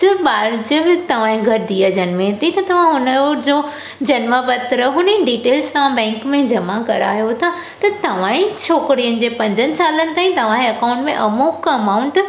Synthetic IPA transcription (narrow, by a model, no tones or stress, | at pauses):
d͡ʑɐɓaːɾd͡ʑəbɪt̪ɐʋ̤ãːĩɡʱɐɾd̪iːəd͡ʑɐnɪmẽɦt̪it̪ɐt̪ɐʋ̤ãɦʊnəd͡ʑoː | d͡ʑɐnmabɐt̪ɾəɦʊniɖiːʈeːlssãbɛ̃ːŋkmẽd͡ʑɐmakɐɾa̰ːɦjot̪ʰa | t̪ɐt̪ɐʋ̤ãːĩt͡ɕʰoːkɾijənɪ̆d͡ʑeːpɐ̃ɲd͡ʑənɪ̆saːlənɪ̆t̪aːĩt̪ɐʋ̤ãːɐkãːʊ̃ɳʈmẽʔɐmoːkɐmaːʊ̃ɳʈ